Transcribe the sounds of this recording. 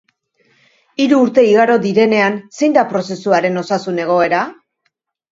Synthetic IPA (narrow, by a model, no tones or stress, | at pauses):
iɾuːɾt̪e̞iɣaɾo̞d̪iɾe̞ne̞anse̞jnd̪apɾo̞se̞suaɾe̞no̞sasune̞ɣ̞o̞e̞ɾa